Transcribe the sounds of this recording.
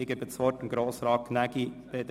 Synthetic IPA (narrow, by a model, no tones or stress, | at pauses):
ɪɡəbət͡sʋɔtənɡɾoːsɾɑːkʰnæɡib̥ed̪